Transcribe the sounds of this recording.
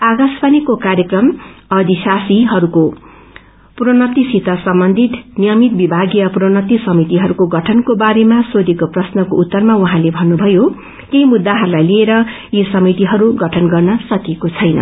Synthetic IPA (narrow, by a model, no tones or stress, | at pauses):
aɡasbʌnikokaɾjekrʌmʌd̪isasiɦʌɾuko | pronʌt̪isit̪ʌsʌmbʌnd̪ʱit̪nijʌmit̪̚bibʱaɡijʌpuronʌt̪isʌmit̪iɦʌɾukoɡʌʈʰʌnkobaɾemasod̪ikoprʌsnʌkout̪ːʌrmauɦãlebʱʌnːubʱʌjo | k̪ejmud̪ːaɦʌɾulajlieɾʌ | jesʌmit̪iɦʌɾuɡʌʈʰʌnɡʌrnʌsʌkekot͡sʰʌjnʌ̰